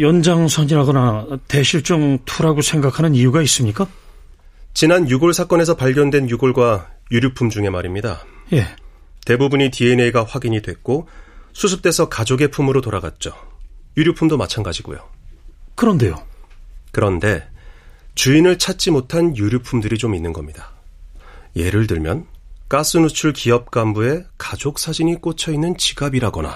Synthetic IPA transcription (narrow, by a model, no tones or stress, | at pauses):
jʌnd͡ʑaŋsʰʌɲiɾaɡʌnate̞ɕʰiɭt͡ɕ͈oŋtʰuɾaɡosʰe̞ŋɡakʰanɯnijuɡais͈ɯmɲik͈a | t͡ɕinanjuɡoɭsʰak͈ʌne̞sʰʌpaɭɡjʌndwe̞njuɡoɭɡwajuɾjupʰːumd͡ʑuŋe̞maɾimɲidaje̞ | te̞bubuɲitie̞ne̞iɡaɸwaɡiɲidwe̞k̚k͈osʰusʰɯp̚t͈e̞sʰʌkad͡ʑoɡe̞pʰumɯɾotoɾaɡa̰t̚t͡ɕ͈ojuɾjupʰumdomat͡ɕʰanɡad͡ʑiɡo̰jo̰ | kɯɾʌnde̞jo | kɯɾʌnde̞ | t͡ɕuinɯɭt͡ɕʰat̚t͡ɕ͈imotʰanjuɾjupʰumdɯɾit͡ɕominːɯnɡʌmɲida | je̞ɾɯɭtɯɭmjʌnk͈as͈ʰɯnut͡ɕʰuɭkiʌp̚k͈ambue̞kad͡ʑok̚s͈ʰad͡ʑiɲik͈ot͡ɕʰʌinːɯnt͡ɕiɡabiɾaɡʌna̰